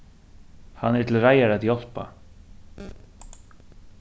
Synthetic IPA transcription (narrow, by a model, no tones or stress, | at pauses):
hanːɛɾt̪ʰɪlraːjaɾatiɔl̥pa̰